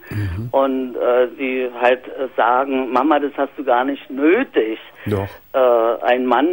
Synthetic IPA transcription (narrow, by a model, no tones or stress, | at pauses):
ʔʊntʔɛːz̥iːhaltːz̥aːɡŋ̩mamadashast̚d̥uːɡaːɐnɪçtnøːtɪçdʔɛːʔa̰ɪnman